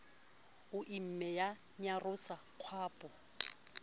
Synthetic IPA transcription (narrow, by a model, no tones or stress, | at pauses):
ʊʔim̩mɛja | ɲarʊsaq͡χʰwaːpʼʊ